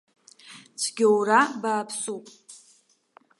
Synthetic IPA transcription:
t͡ɕʷʰɡʲɪwɾabaːpʰsupʼ

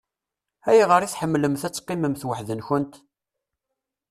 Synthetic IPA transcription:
æjʁəɾiθħəmːləmθæt͡sːqːɪməmθwəħðənçʊnt̪

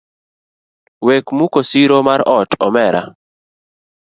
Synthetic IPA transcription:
wekmukosiɾomaɾɔtɔmɛɾʔa̰

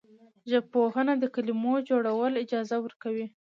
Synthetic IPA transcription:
ʒab̚pohənad̪əkalimod͡ʒoɽawəlɪd͡ʒɑzawəɾkawi

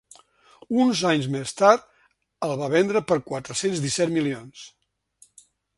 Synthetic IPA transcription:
unzaɲzmest̪aɾt̪̚ | əlˠβaβɛnd̪ɾəpəɾkwat̪ɾəsenzðisɛt̪milions

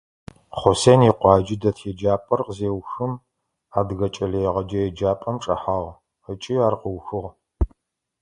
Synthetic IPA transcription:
χʷɔseːniːqʷɑːd͡ʒɪdɐtʰjɛd͡ʒaːpʼɐrqzeːwxɨm | aːdɣɐt͡ʃʼɐɮejɛʁɐd͡ʒɐjɛd͡ʒaːpʼɐmʈ͡ʂʼɐ̰ħaːʁ | ət͡ʃʼɪaːrqəwxɨʁ

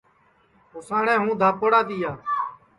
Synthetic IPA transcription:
ɦoːsaːɳɛ̃ːɦũːd̪ʱaːpoɽaːt̪iːjaː

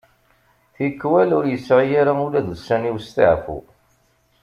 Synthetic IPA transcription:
θikːwælʊɾjəsːʕijaɾaulæðusæniwst̪ə̰ʕfṵ

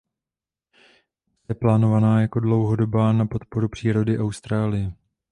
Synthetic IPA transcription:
ɛplaːno̞vanaːjako̞dlo̞wɦo̞do̞baːnapo̞t̪po̞ɾupr̝̥iːɾo̞dɪʔawst̪ɾaːlɪjɛ

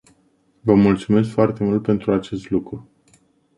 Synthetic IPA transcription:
vəmult̪sume̞s̬kfoart̪e̞mult̪̚pe̞nt̪ɾuat͡ʃe̞st̪lukɾu

